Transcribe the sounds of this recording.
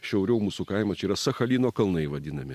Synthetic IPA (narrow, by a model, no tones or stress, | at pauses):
ʃʲɛʊɾʲɛʊmuːsukɐɪmɐt͡ʃʲiːɾɐsɐxɐlʲiːnoːkɐlˠnɐɪʋɐd̪ʲɪnɐmʲɪ